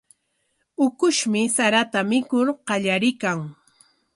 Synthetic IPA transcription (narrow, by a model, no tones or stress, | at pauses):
ʊkʊʃmɪsaɾat̪amɪkʊɾqɑʎaɾɪkaŋ